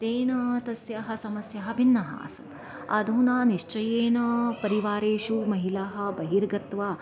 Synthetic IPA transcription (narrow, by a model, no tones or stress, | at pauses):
t̪eːnɐt̪ɐsjɐɦɐsɐmɐsjɐɦɐ̆binːɐɦa̰ːsɐn | ɐ̰d̪ʱuːnaːniʃt͡ʃɐjeːnɐpɐɾiʋaːɾeːʃumɐɦilaːɦɐ̆bɐɦiɾɡɐt̪ʋaː